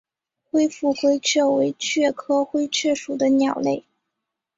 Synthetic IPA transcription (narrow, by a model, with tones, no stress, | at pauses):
xwe˥ɪfu˥˩xwe˥ɪt͡ɕʰɥɛ˥˩we˧˥ɪt͡ɕʰɥɛ˥˩kʰɤ˥xwe˥ɪt͡ɕʰɥɛ˥˩ʂu˨˩d̪ə˦njɑ˨˩ʊle˥˩ɪ